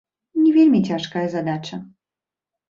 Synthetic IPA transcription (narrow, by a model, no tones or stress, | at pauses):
nʲivʲelʲmʲitʲaʂkajəzad̪at͡ɕə